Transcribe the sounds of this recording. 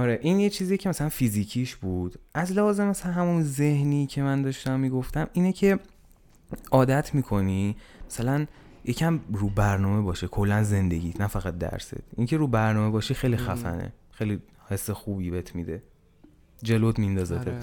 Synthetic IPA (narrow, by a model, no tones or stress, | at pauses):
ɒɾeʔinjet͡ʃʰiːziecʰemæsælænfiziːcʰiːʃbud̪̥æzlæhɒːzemæsæænɦæmunze̞hnicʰe̞mænd̪ɒːʃt̪æmːiːɡo̞ft̪æmiːnecʰe̞ | ʔɒːd̪æt̪ʰmiːkʰo̞nimæ̥sælæn | jecʰæmruːbæɾnɒːme̞bɒːʃekʰo̞lːænze̞nd̪eɟiːt̪ʰnæfæɣæt̪̚d̪æ̰ɾsḛt̪ʰʔiŋcʰe̞ɾuːbæɾnɒːme̞bɒːʃiːxejlixæfæ̰nḛxejli | he̞sːexuːbiːbehet̪ʰmid̪e̞ | d͡ʒe̞lod̪mind̪ɒːzee